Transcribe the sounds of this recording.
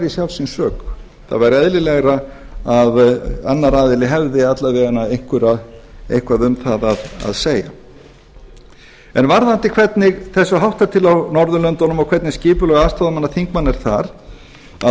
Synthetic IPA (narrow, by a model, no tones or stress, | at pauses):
ɾisjawlsinsœːk | θa̰ðvaɾɛðlɪlɛɣɾa | aðanːaɾaːðɪlɪɦɛvðɪat̪lavɛʏnaejŋ̥kʰʏɾaðejŋ̥kʰvaðʏmθaðaða̰ðseːja̰ | ɛnvaɾðant̪ɪkʰvɛt̪nɪɣθɛsːʏɦawht̪at̪ʰɪlawnɔɾðʏlœnt̪ɔnʏmɔwkʰvɛt̪nɪscɪːpʏlɔɣast̪aðmanːaθiŋkmanːɛɾ̥θaɾ | a